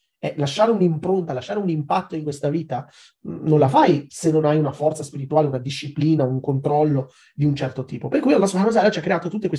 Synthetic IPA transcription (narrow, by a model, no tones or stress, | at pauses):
ɛlaʃːaːɾeunimpɾont̪alaʃːaːɾeunimpat̪ːoiŋkwest̪aviːt̪a | nõnlafajsenːonajunafɔrt̪saspiɾit̪uaːleunad̪iʃːipliːnauŋkont̪ɾɔlːo | d̪iunt͡ʃɛrt̪ot̪iːpoperkujalːasoakz̬alat͡ʃiakːɾeaːt̪ot̪ut̪ːekwe